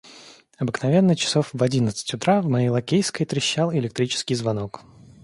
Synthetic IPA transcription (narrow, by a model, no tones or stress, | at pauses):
ɐbɨknɐvʲe̞nːət͡ɕɪ̥sofvɐdʲinət̪sɨ̥tʲʊt̪ɾavmɐjejlˠɐkʲejskəjt̪ɾʲɪɕːalˠɪlʲɪk̚t̪ɾʲit͡ɕɪ̥skʲɪjzvɐnok